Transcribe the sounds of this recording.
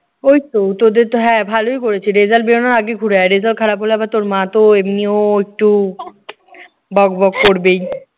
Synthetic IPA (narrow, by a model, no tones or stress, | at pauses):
ojt̪ot̪od̪eɾt̪oɦɛ̃bʱalojkoɾet͡ɕʰiɾed͡ʑalbeɾonaɾaɡeɡʰʱuɽaɾed͡ʑalkʰaɾapɦoleabaɾt̪oɾmãt̪oemnioek̚ʈu | bɔɡbɔkːoɾbej